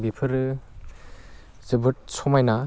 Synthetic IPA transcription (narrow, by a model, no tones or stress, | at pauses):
bipʰɯɾ | zɯbɯt̚sɔmajna